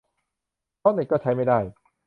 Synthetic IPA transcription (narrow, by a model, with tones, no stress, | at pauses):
ɔː˥˩˨nːe˨˩kːɔː˥˩t͡ɕʰa˦˥jma˥˩jdaː˥˩j